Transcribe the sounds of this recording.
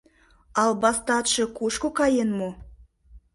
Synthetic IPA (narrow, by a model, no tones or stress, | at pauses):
ɑlˠbɑst̪ɑt̪ʃɤ̆kuʃkokɑjenmo